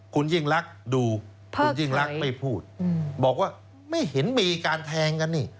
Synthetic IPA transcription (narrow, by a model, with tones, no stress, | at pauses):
kʰu˧nji˥˩ŋɾa˦˥k̚duː˧ | kpʰuː˧˥˧nji˥˨˩ŋɾa˦˥k̚ma˥˩jpʰuː˥˩t̪̚ːbɔː˨˩k̚waː˥˩ | ma˥˩jhe˩˦nmiː˧kaː˧nt̪ʰɛː˧ŋka˧nːi˥˩